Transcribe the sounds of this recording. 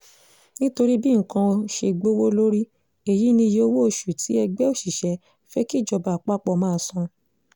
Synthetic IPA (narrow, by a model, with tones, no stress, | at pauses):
nĩ˦to˧ɾi˦bi˦ŋ̩˨kã˧o˧ʃe˧ɡ͡bo˦wo˦lo˦ɾi˦ | e˦˨ji˨˦nĩ˧je˦˧o˧wo˦o˧ʃu˨tʰi˨˦ɛ˧ɡ͡bɛ˦o˦˨ʃi˨ʃɛ˨˦ | fɛ˦ki˦˨d͡ʒɔ˧ba˨k͡pa˦k͡pɔ˧˨mãː˦˧˦sɔ̃˧